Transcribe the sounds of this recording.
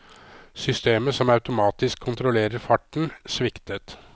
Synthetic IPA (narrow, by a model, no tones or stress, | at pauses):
sʏst̪eːməsɔmɑʉt̪ʊmɑːt̪ɪskʰːʊnt̪ɾʊleːɾəɾfɑʈɳ̩sʋɪkt̪ət̪